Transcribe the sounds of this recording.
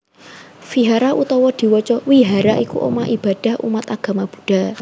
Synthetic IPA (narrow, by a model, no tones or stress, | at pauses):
fiɦaɾaʔut̪ɔwɔd̪̥i̤wɔt͡ʃɔwiɦaɾaʔikṵʔo̰maʔib̥a̤d̥a̤hʔṵmat̪aɡ̥a̤mab̥ṳɖ̥a